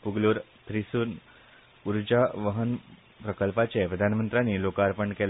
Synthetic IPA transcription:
puɡluːɾ | t̪ʰɾisuːn | uɾd͡ʑaʋəɦən | pɾəkəlpat͡ɕepɾəd̪ʱanmənt̪ɾjaniːlokaːɾpəɳkɛl

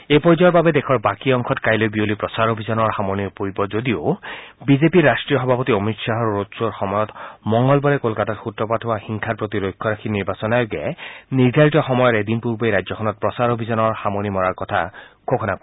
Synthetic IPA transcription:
epɔɹzɔjɔɹbabɛdɛkʰɔɹbakiɔŋkʰɔtkajlojbiolipɹɔsaɹobʱizɔnɔɹxamonipoɹibɔzodiobizepiɹasʈɹijɔxɔbʱapɔtiɔmitsaɦɔuɹotsoɹxɔmɔjɔtmɔŋɡɔlbɔɹɛkolkatatxutɹɔpatʰʊwaxiŋkʰatpɹot̪iɾojkʰːɔɹakʰiniɹbasɔnajoɡɛ̰niɹd̪ʱaɹitɔxɔmɔjɔɾed̪inpuɹbejɾajzɔkʰɔnɔt̚pɹɔsaɹobʱizɔnɔɹxamonimɔɹaɹkɔtʰa̰kʰokʰɔnak

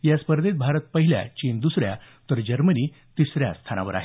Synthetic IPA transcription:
jaspəɾd̪et̪̚bʱaɾət̪̚pəɦilja̰t͡ɕind̪usɾja̰ | t̪əɾd͡ʑəɾməniː | t̪isɾja̰st̪ʰana̰ʋə̰ɾa̰ɦe

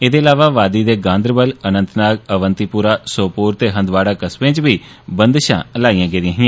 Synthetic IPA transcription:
eːd̪eːəlaːʋaːʋaːd̪iːd̪eːɡãːnd̪əɾbələnə̃nt̪naːɡəʋənt̪iːpʊɾaːsoːpuːɾt̪eːɦə̃nd̪ʋaːɽaːkəsbẽːt͡ʃbiː | bənd̪ʃã̰ːəlaːijãːɡeːd̪iãːɦɪ̃

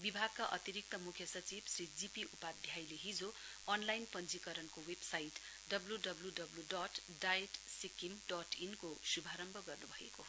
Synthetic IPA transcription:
bibʱaɡ̚kaʔʌt̪iɾik̚t̪ʌmukʰjʌsʌt͡sibsrid͡zipiʔupad̪ʱjajleɦid͡zo | ʌnlajnpʌnd͡zikʌɾʌnkowebsajiʈ | ɖʌbluɖʌbluɖʌbluɖɔʈ | ɖajeʈsikimɖɔʈinkosubʱaɾʌmbʱʌɡʌrnubʱʌḛko

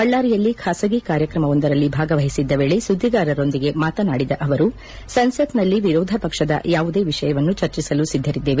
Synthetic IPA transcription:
ɐɭːaːɾijɐlːikʰaːsɐɡikaːɾjɐkɾɐmɐʋond̪ɐɾɐlːibʱaːɡɐʋɐɦisid̪ːɐʋeːɭesud̪ʱːiɡaːɾɐɾo̞nd̪iɡe̞maːt̪ɐnaːɽid̪ɐʔɐʋɐɾu | sɐnsɐt̪nɐlːiʋiɾɔːd̪ʱɐpɐkʂɐd̪ɐ̰jaːʋud̪e̞ːʋiʂɐjɐʋɐnːut͡ʃɐɾt͡ʃisɐlusid̪ʱːɐɾid̪ːeːʋe

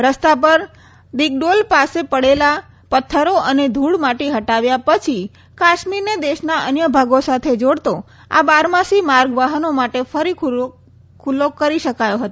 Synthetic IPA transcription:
ɾəst̪apəɾ | d̪ik̚ɖolpasepəɽela | pət̪ʰːəɾoʔəned̪ʱuɽmaʈeɦəʈaʋjapət͡ʃʰi | kaʃmiɾned̪eʃnaʔənjəbʱaɡosat̪ʰed͡ʒoɽt̪o | a̰baɾmasimaɾɡʋaɦənomaʈefəɾi | kʰulːokəɾiʃəkajoɦət̪o

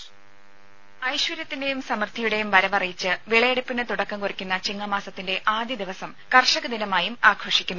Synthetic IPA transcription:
ɐjɕʋwɐɾjɐt̪ːinde̞jumsɐmɐrt̪ʰijuɽe̞jumʋɐɾɐʋɐrijit͡ɕːɨʋiɭɐjeɽɐpːinːɨt̪uɽɐkːɐmkurikʲːunːɐt͡ɕiŋːɐmaːsɐt̪ːinde̞ʔaːd̪ʱjɐd̪iʋɐsɐmkɐrʂɐɣɨd̪inɐmaːjumaːkʰroːʂikʲːunː

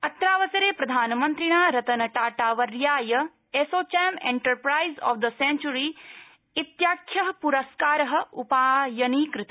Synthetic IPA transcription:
ɐt̪ːɾaːʋɐsɐɾeːpɾɐd̪ʱaːnɐmɐ̃nt̪ɾiɳ̃aːɾɐt̪ɐnɐʈaːʈaːʋɐɾjaːjɐ | esoːt͡ʃeːmḛ̃ɳʈɐɾpɾaːjzɔ̰ːʋd̪ɐsẽnt͡ʃuɾi | it̪jaːkʰːjɐɦɐpuɾɐskaːɾɐɦɐ̆upaːjɐniːkɾɪt̪i̥

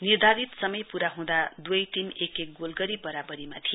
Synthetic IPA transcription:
nird̪ʱaɾit̪sʌmʌjpuɾaɦũd̪ad̪ujʈimekek̚ɡolɡʌɾibʌɾabʌɾimat̪ʰi

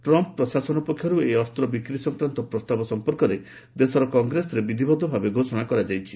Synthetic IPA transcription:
ʈɾɔmpɔpːɾɔsasɔnɔpɔkʰjɔɾueɔst̪ɾɔbikɾisɔŋkɾant̪ɔpɾɔst̪abɔsɔmpɔɾkɔɾe | d̪esɔɾɔkɔŋɡɾesɔɾebid̪ʱibɔd̪ʱːɔbʱabeɡʱosɔɽ̃akɔɾad͡ʒajt͡ʃʰi̥

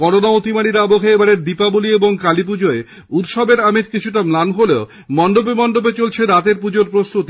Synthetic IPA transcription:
kɔɾonaot̪imaɽiɾaboɦʰeebaɾeɾd̪ipabulieboŋkalip̬ud͡ʑoe | ut̪ʃɔbeɾamet͡ɕkit͡ɕʰuʈ̬amlanɦoleo | mɔnɖ̪obemɔnɖ̪obet͡ɕolt͡ɕʰeɾat̪eɾpud͡ʑoɾpɾost̪ut̪i

